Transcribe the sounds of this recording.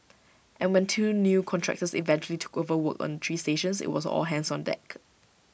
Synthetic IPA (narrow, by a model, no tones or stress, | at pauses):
ʔɛ̃nwɛ̃ntʰuːnjukʰɔ̃ntʰɹɛ̰k̚təsḭvɛ̃nt͡ʃuəlitʰu̥kovəwəkɔ̰̃nt̪ʰɹiːsteʃə̃nsɪ̰t̚wɔsɔ̰lɦɛ̃nsɔ̃ndɛ̰k